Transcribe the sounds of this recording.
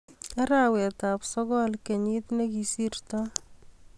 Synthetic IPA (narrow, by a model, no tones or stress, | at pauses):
aɾawɛt̪apsɔɡɔlkeɲit̪nekisirt̪ɔ